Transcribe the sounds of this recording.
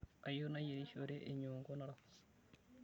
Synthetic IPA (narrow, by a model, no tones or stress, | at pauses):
ajonajeɾiʃoɾeʔeɲoːŋɡonaɾa